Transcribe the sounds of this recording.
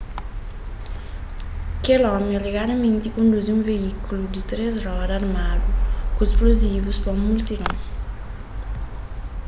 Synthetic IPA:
kelɔmiɛleɡaɾamẽnt̪ikõnd̪uziũveikulud̪it̪ɾezrɔɾaɾmad̪ukuesplozivuspɐũmːult̪iɾɔ̃

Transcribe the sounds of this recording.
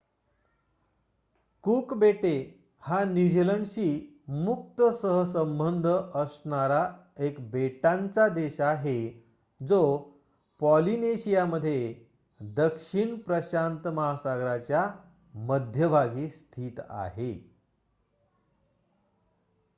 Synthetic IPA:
kukbeʈe | hanid͡ʑləɳɕiː | muk̚t̪əsəɦəsəmbənd̪ʱəʔəsɳaɾa | ekbeʈãnt͡sad̪eɕaɦe | d͡zo | pɔlineɕijaməd̪ʱːje | d̪əkʂiɳpɾəɕant̪məɦasaɡɾat͡ɕja | məd̪ʱjəbʱaɡiːst̪ʰiːt̪a̰ɦe

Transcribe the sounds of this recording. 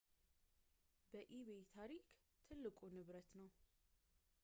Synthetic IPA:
bəʔiβet̪ʰaɾikʰ | t̪ʰɨlːɨkʼunɨβɾət̪nəw

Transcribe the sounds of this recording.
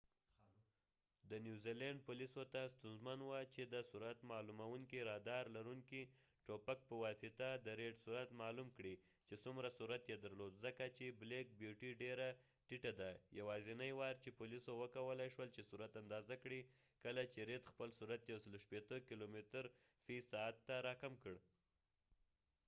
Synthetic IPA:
d̪ənjuzilɛɳɖ̚pulisot̪ast̪unzmanwət͡ʃed̪əsuɾat̪mɑlumawuŋkiɾɑd̪ɑɾlaɾuŋki | ʈopak̚pəwɑsɪt̪ad̪əɾeɖsuɾat̪mɑlumkɽi | t͡ʃesumɾasuɾat̪jed̪əɾlod̪zəkat͡ʃeblek̚bjuʈiɖeɾa | ʈiʈad̪ajawɑzinajwɑɾt͡ʃepʊlisowəkawəlajʃwəlt͡ʃesuɾat̪and̪ɑzakɽi | kəlat͡ʃeɾed̪xpəlsuɾat̪jawsəloʃpet̪əkilomet̪əɾ | fisɑat̪ːaɾɑkamkəɽ

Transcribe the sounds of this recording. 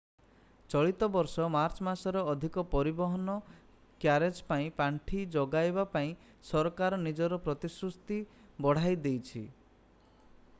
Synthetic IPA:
t͡ʃɔɭit̪ɔbɔɾsɔmaɾt͡ʃɔmasɔɾeɔd̪ʱikɔpɔɾibɔɦɔnɔ | kjaɾed͡ʒpaĩpaɳʈʰid͡ʒɔɡajbapaĩ | sɔɾɔkaɾɔnid͡ʒɔɾɔpɾɔt̪isɾust̪ibɔɽ̤ajd̪ejt͡ʃʰḭ

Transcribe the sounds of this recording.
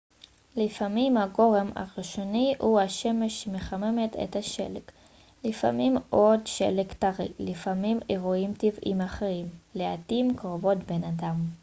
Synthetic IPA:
lifamimhaɡo̞ʁe̞ma̰ʁiʃo̞nihuhaʃe̞meʃːemeχame̞me̞tʰḛthaʃe̞̰lek | lifa̰mimʔo̞dʃḛlektaʁḭlifamimeʁuimtivḭmaχeʁimleatimkʁovo̞tbenadam

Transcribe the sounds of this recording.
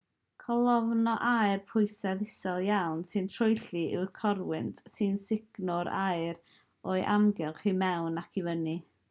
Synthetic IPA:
kʰɔlˠɔvnɔʔajrpʰʊɨsɛðɪsɛlˠjawnsɨntʰrʊjɬiʔɪ̰wrkʰɔrwɪntʰsɨnsɪɡ̥nʊɾajɾ | oɨʔamɡɛlˠχimɛwnakʰivəni

